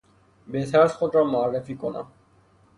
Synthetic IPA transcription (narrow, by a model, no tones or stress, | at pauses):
bet̪ʰasxod̪ɾamoarːefikona̰